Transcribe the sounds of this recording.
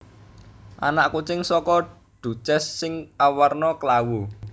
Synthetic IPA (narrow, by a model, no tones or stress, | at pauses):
ʔa̰naʔkut͡ʃɪŋsɔkɔ | ɖ̥ṳt͡ʃɛsːɪŋawarnɔkəlawu